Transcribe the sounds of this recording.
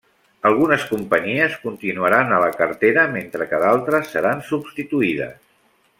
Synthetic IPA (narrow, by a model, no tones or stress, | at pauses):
əlˠɣ̞unəskumpəɲiəskunt̪inuəɾanələkərt̪eɾəment̪ɾəkəðalˠt̪ɾəsːəɾansubst̪it̪uiðə̰s